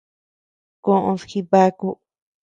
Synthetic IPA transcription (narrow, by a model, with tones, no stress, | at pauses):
kõ˧˦ʔõ˧sxi˧βa˦ku˦